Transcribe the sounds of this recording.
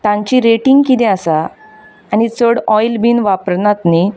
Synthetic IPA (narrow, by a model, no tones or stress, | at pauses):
t̪ãɲt͡ɕiɾeʈĩŋɡkit̪ɛ̃asaː | ñit͡səɽɔjlbiːnʋapəɾnat̪ni